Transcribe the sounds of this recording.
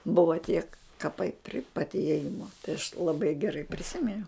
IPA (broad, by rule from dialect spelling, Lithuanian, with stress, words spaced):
ˈbʊʋoː tʲiɛk kɐˈpɐɪ pʲrʲɪ pɐt ɪeːˈjɪmoː tɐɪ ɐʃ lˠɐˈbɐɪ ɡʲɛˈrɐɪ pʲrʲɪˈsʲɪmʲɪnʲɛʊ